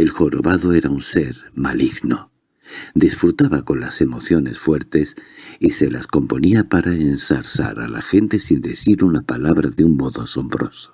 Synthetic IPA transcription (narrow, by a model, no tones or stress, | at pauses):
e̞lxo̞ɾoβaðoe̞ɾaunse̞ɾmaliɣno̞ | d̪isfɾut̪aβako̞nlase̞mo̞θjo̞ne̞sfwe̞ɾt̪e̞sise̞lasko̞mpo̞niapaɾaensaɾsa̰ɾa̰la̰xe̞nt̪e̞sind̪e̞θiɾunapalaβɾaðeummo̞ðoaso̞mbɾo̞so̥